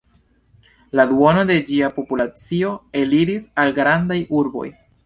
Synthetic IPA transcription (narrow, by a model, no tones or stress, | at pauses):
laduo̞no̞de̞d͡ʒiapo̞pulat͡sio̞e̞liɾisalɡɾandajuɾbo̞̰j